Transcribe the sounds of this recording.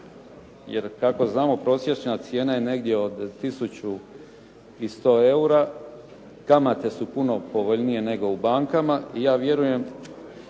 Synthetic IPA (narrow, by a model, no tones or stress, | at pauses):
jḛɾkako̞znaːmo̞pɾo̞ːsje̞t͡ʃnat̪sje̞ːnaje̞ne̞ɡd̪je̞o̞d̪t̪isut͡ɕu | ist̪o̞ːe̞uɾa | kamat̪e̞supuno̞po̞ʋo̞ʎnije̞ne̞ɡo̞ubaːŋkamaijaːʋje̞ɾuje̞m